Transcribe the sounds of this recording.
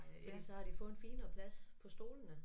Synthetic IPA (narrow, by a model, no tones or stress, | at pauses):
fɒd̥ḭːsɒ̽hɑ̈ɾ̥ifɔ̽ːð̩n̩fiːnɐːpʰlæspʰɒ̽sd̥o̝ːlənə